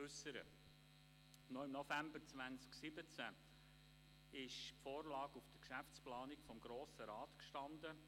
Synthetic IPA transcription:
ʉsəɾə̰ | nɔɪmnɔfæmbəɾt͡svænsksɪbət͡sæ | ɪʃpfoːrlɑːɡufd̥əkʃæft͡splɑːnikfɔmɡɾoːsəɾɑːt̪kʃtɑnd̪ə

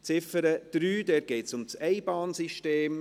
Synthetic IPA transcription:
t͡sɪfəɾəd̪̥ɾyːd̥̪ɛːɾɡ̥ɛɪtsʊmsɛɪbɑːnsiʃteːm

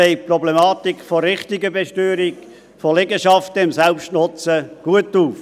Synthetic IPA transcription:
eɪprɔblemɑːtikfɔɾːɪχtɪɡəbeʃtøːɾiɡ | folɛɡəʃɑftəɪmsɛlpʃtnʊt͡səɡ̥uətuːf

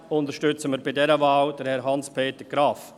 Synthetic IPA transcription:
ʊntəɾʃtʏt͡səməɾbɪdɛɾəvaːld̥əɾhɛɾɦɑnspʰeːt̪əɡ̥ɾɑːf

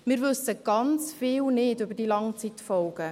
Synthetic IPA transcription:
mɪːɾvʏsəɡ̥ɑnt͡sfɪːlnɪdybəd̥iːlɑŋt͡sit̪fɔlɡ̥ə

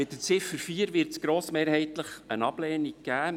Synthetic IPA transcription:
mɪtːət͡sɪfəɾfiːəɾʋɪɾtsɡ̥ɾoːsmeːɾhɛɪt̪ləχənɑb̥leːniɡɡ̥æː

